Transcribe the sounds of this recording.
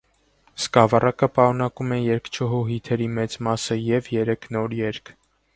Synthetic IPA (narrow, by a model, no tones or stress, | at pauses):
skɑvɑrɑkəpɑɾunɑkumɛjɛɾkt͡ʃʰəɦuɦit̪ʰɛɾimɛt͡smɑsəjɛvjɛɾɛkʰnɔɾjɛɾkʰ